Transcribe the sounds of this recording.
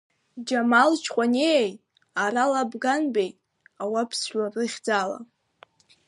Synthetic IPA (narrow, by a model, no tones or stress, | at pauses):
d͡ʒamalt͡ʃʰqʷʼaneej | aɾalabɡanbejtʼ | awapʰsħʷarɨχʲd͡zala̰